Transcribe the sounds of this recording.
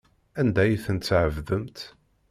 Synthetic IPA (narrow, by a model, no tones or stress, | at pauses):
ænd̪æjθənt̪sʕəvðəmt̪